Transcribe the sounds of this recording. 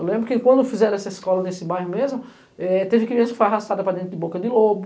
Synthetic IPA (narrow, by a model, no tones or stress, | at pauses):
ewlẽmbɾʊkɪkwɐ̃nd̪ʊfizɛɾ̃ɛsɐiskɔlɐnesɪbajɦʊmezmʊ | ɛt̪evɪkɪmiẽsɐkfojaɦast̪ad̪ɐpɾɐd̪ẽt̪ɾʊd̪ɪbokɐd̪ɪlobʊ